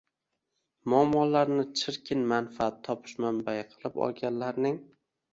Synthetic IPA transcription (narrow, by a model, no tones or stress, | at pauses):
mʊamːɒlaɾnɪt͡ʃʰɪɾkʲʰɪnmanfaat̪ʰːɒpʰɪ̥ʃmanbajɪqʰɨlˠɪpɒ̰lˠɡʲanlaɾnɪŋ